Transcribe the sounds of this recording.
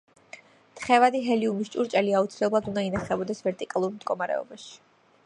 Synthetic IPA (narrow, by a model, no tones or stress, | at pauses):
t̪ʰχɛvad̪iɦɛliumist͡ʃʼuɾt͡ʃʼɛliaut̪sʰilɛblˠad̪unainaχɛbɔd̪ɛsvɛɾt̪ʼikʼalˠuɾmd̪ɡɔmaɾɛ̰ɔ̰baʃi̥